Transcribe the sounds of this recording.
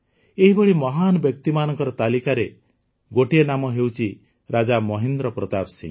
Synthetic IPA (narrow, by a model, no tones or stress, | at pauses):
eɦibɔɽimɔɦanɔbjɔk̚t̪imanɔŋkɔɾɔt̪alikaɾe | ɡoʈienamɔɦewt͡ʃʰi | ɾad͡ʒamɔɦind̪ɾɔpɾɔt̪absḭ̃ŋ